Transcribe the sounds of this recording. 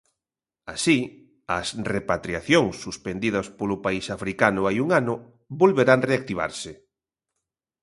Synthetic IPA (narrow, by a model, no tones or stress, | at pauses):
a̰si | ɐ̰srepat̪ɾiaθjoŋsːuspend̪iðɐspolʊpaisafɾikanʊajuŋanʊ | bolβeɾaŋreak̚t̪iβ̞a̰ɾsɪ